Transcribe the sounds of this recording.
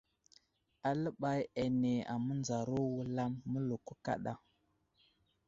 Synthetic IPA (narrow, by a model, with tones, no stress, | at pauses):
a˨lə˦ɓa˦ja˨ne˨a̰˨mə˦nd͡za˨ɾo˦wu˦la˦mːə˦lu˨ku˦ka̰˦ɗa˨